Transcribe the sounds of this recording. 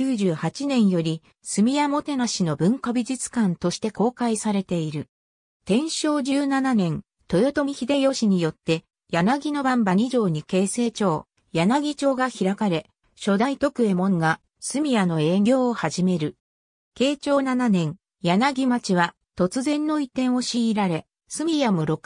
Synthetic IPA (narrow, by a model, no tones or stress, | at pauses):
kʲɨːʑɨːhat͡ɕinẽ̞ɰ̃jo̞ɾʲi | sɨmʲijamo̞t̪e̞naɕino̞bɯ̟̃ŋkabʲiʑit͡sɨ̥kãnt̪o̞ɕi̥t̪e̞ko̞ːkaisaɾe̞t̪e̞iɾɯ̟ | t̪ẽ̞ɰ̃ɕo̞ːʑɨːnananẽ̞n | t̪o̞jo̞t̪o̞mʲiçid̪e̞jo̞ɕiɲ̟ijo̞t̪ːe̞ | janaɡʲino̞bãmbaɲ̟iʑo̞ːɲ̟ike̞ːse̞ːt͡ɕo̞ː | janaɡʲit͡ɕo̞ːɡaçiɾakaɾe̞ | ɕo̞d̪ait̪o̞kɯ̟e̞mõ̞ŋɡa | sɨmʲijano̞e̞ɡʲo̞ːohaʑime̞ɾɯ̟ | ke̞ːt͡ɕo̞ːnananẽ̞ŋ | janaɡʲimat͡ɕiβa | t̪o̞t͡sɨzẽ̞nːo̞it̪ẽ̞ɰ̃o̞ɕiːɾaɾe̞ | sɨmʲijamoɾo̞k